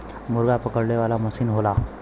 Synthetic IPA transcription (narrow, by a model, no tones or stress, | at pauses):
muɾɡapəkəɽleʋalaməsiːnɦola